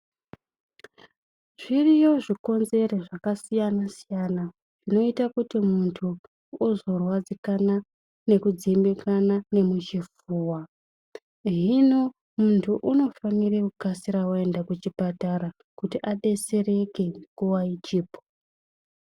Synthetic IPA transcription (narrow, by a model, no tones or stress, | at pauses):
ʐ̥irijo̞ʐiko̞nze̞reʐakasijanasijana | ʐ̥ino̞itakutimuntʰuː | zo̞rwad͡zikana | ne̞kud͡zimbekʰanane̞mut͡ʃifuːwa | ʐino̞ | muntʰuʔuno̞fanirekukasiɾawae̞ndakut͡ʃipataɾa | kutiʔaɗe̞se̞ɾe̞ke̞mkɡuwait͡ʃiːpo̥